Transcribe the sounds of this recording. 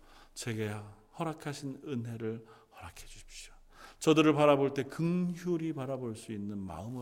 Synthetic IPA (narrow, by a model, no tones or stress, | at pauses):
t͡ɕe̞ɡe | hʌɾakʰaɕʰinɯnɦe̞ɾɯɭhʌɾakʰed͡ʑuɕʰi̥p̚ɕjo̥ | t͡ɕʌdɯɾɯɭpaɾaboɭt͈e̞kɯŋçjuɾipaɾaboɭs͈uinːɯnma̰ɯmɯ